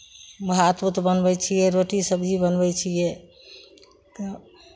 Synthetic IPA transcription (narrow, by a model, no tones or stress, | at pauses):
məɦat̪but̪bənbɛt͡ʃʰijɛɾoʈisəbd͡ʒibənbɛt͡ʃʰijɛ | t̪ɔ